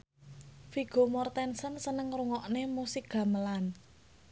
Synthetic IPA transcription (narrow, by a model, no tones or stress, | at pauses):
fiɡ̥o̤mɔrt̪ɛnsənsənəŋruŋɔʔnemusɪk̚ɡ̥ä̤məlan